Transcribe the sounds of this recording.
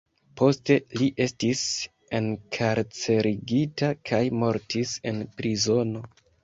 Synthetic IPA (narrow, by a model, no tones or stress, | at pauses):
po̞ste̞liʔe̞stis | e̞nkʰaɾt͡se̞ɾiɡitakʰajmo̞ɾtise̞npɾizo̞no̞